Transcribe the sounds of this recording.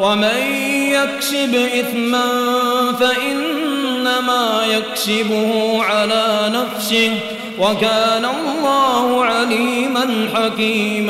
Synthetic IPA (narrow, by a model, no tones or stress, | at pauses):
waman | jakʃɪbʔɪθmanfaʔɪnːamaːjakʃɪbʊhʊʕalaːnafsɪh | wakaːnalˤːɑːhʊʕaliːmanħakiːma